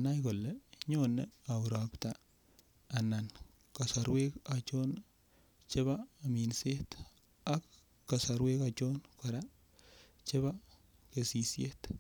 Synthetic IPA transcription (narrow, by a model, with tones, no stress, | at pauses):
ana˦jko˨lɛ˨ɲɔne˦a˨wu˨ɾa˨ptaː˨ | na˨n | ka˨sa˨ɾwe˦ka˨t͡ʃɔ˦n | t͡ʃe˦βa˦˨mi˨nse˦t | a˦kː | a˨sa˨ɾwe˦ka˨t͡ʃɔ˦nkɔ˨ɾa˦ | t͡ʃe˦βa˦ | ke˨si˨sje˦t